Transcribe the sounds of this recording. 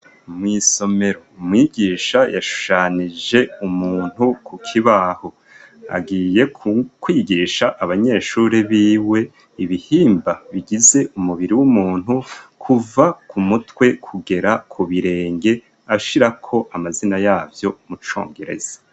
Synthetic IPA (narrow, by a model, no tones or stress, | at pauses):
mŋiːso̞me̞ɾomŋiːɡiːʃajaʃu̥ʃaːnid͡ʒe̞umuːn̥hukʰukʰiβaho̞ | a̰ɡiːje̞kwiːɡiːʃaʔːβaɲe̞ːʃuːɾeβiːwe̞ | iβihiːmbaβiɡize̞ʔumuβiɾiwumuːn̥hukʰuvakʰumutwe̞kʰuɡe̞ɾakʰuβiɾe̞ːŋɡe̞ | aʃiɾakʰo̞ʔamazinajaːvjo̞mut͡ʃo̞̰ːŋɡeɾe̞̰z̥ḁ